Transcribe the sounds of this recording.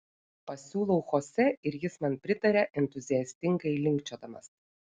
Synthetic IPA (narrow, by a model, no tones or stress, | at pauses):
pɐsʲuːlˠɔʊxoːsʲɛɪɾjɪsmɐnpʲɾʲɪt̪ɐɾʲɛʔɛnt̪ʊzʲɪjɛsʲt̪ʲɪŋɡɐɪlʲɪŋʲkt͡ʃʲoːd̪ɐmɐ̰s